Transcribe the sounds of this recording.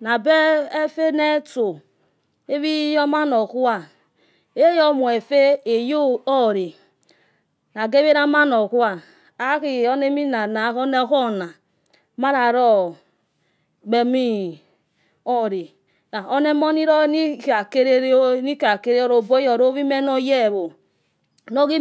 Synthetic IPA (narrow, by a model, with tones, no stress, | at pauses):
na˨be˦e˦fe˦ne˦to˨ | e˦βi˦jɔ˦ma˦no˨ku˦a˦ | e˦jɔ˦mu˨e˨fe˦e˨jo˦o˦˨ɾi˨ | na˨ɡe˦βe˦ɾa˦ma˦no˨ku˦a˨ | a˦ki˨o˦ne˦mi˦na˨na˨˦o˦ne˦ko˦˨na˨ | ma˦ɾa˨ɾɔ˦ | ɡ͡be˨mi˦ | ɔ˦˨ɾi˨ | na˨o˦ne˦mo˦ni˦ɾɔ˦ni˦ka˨ke˦ɾe˦ni˦ka˨ke˦ɾe˦o˦ɾo˨bo˦jo˨ɾo˦βi˦me˦no˦je˦˨βo˨ | no˦ɣi˦